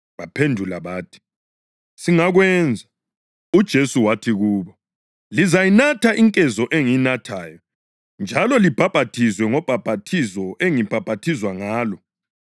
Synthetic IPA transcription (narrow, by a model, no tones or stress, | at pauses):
βapʰendʱulaβaːtʰi̥ | siŋaɣwɛnd͡zʱa | ud̥ʒ̥ʱesuwatʰiɣuːβɔ | lizajinatʰaʔiŋkʼɛzɔʔeŋiinatʰaːjɔ | nd͡ʒʱalɔlib̥ʱab̥ʱatʰizwɛŋɔb̥ʱab̥ʱatʰizɔʔeŋib̥ʱab̥ʱatʰizwaŋaːlɔ